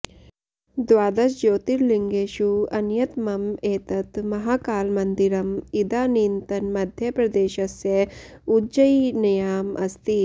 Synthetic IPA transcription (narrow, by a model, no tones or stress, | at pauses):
d̪ʋaːd̪ɐsd͡ʒoːt̪iɾliŋɡeːʃuɐnjɐt̪mɐmeːt̪ɐt̪mɐɦaːkaːlmɐnd̪iɾɐmid̪aːniːnt̪ɐnmɐd̪ʱjɐpɾɐd̪eːʃɐsjɐ | ud͡ʒɐjnɐjaːmɐ̰st̪i